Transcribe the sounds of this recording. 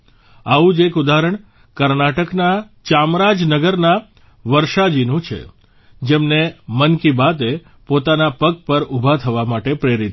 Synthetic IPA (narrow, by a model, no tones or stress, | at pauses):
aʋũd͡ʒekud̪aɾəɳ | kəɾnaʈəknat͡ʃamɾad͡ʒnəɡəɾna | ʋəɾʃad͡ʒinũt͡ʃʰḛ | d͡ʒemnemənkibat̪e | pot̪anapəɡ̚pəɾubʱat̪ʰəʋamaʈepɾeɾit̪